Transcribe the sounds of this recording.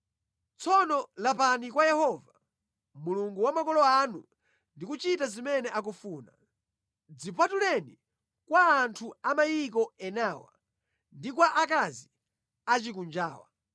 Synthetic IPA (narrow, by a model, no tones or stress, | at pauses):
t͡sɔnɔlapanikwajɛhɔva | muluŋɡuwamakɔlɔanu | ndikut͡ʃitazimɛnɛʔak̬ufuːna̰ | d͡zipatulɛni | kwaːntʰuamajik̬ɔɛnaːwa̰ | ndikwaʔakazi | at͡ʃik̬und͡ʒa̰ːwa̰